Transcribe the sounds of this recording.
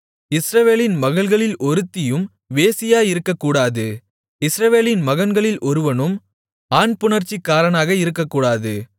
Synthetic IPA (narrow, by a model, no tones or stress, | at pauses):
ɪsɾɐʋeːlɪnmɐɣɐɭɣɐɭɪlʔɔɾɯt̪ːɪjɯm | ʋeːsɪjaːjɪɾɯkːɐkːuːɽaːðɯ | ɪsɾɐʋeːlɪnmɐɣɐnɡɐɭɪlʔɔɾɯʋɐnɯm | aːnpʊɳɐɾt͡ʃːikːaːɾɐnaːɣɐɪɾɯkːɐkːuːɽaːðɯ